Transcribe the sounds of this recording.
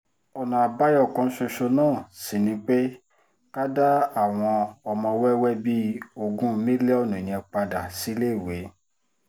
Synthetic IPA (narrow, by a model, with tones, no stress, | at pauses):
ɔ˨nã˨a˨ba˦jɔ˦˨kɔ̃˧˦ʃo˧ʃo˧nãː˦˨si˨nĩ˧˦k͡pe˦ | ka˦da˦a˦˨w̃ɔ̃˧ɔ˧mɔ̃˧wɛ˦wɛ˦bi˦o˧ɡũ˦mĩ˦lɛ˦ɔ˦˨nũ˨nĩ˨ɛ̃˧˨k͡pa˧da˨si˨˦le˦˨we˨˦